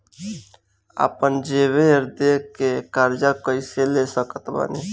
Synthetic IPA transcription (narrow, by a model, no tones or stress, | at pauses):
a̰ːpənd͡ʒeːʋeɪɾd̪ekekaːɾd͡ʒakəɪselesəkət̪ba̰ne